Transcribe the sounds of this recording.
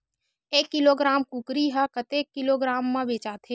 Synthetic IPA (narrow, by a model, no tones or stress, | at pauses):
eːkːɪloːɡɾaːmkukɾiɦakət̪eːkːɪloːɡɾaːmːãbeːt͡ʃaːt̪ʰeː